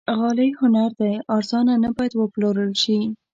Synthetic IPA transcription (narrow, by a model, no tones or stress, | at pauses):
ɣɑləjhʊnaɾd̪ajɑɾzɑnanabɑjad̪wəploɾəlʃi